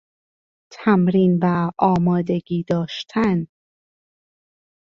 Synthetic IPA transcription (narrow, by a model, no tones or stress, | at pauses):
t̪ʰæmɾiːnvæʔɒːmɒːd̪e̞ɡiːd̪ɒːʃt̪ʰæn